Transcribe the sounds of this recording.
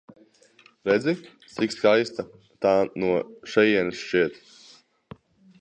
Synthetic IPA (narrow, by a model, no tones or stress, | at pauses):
ɾɛd̪zʲi | t̪sikskajst̪a | t̪aːnuɔʃɛjiɛnsʃt͡ʃiɛt̪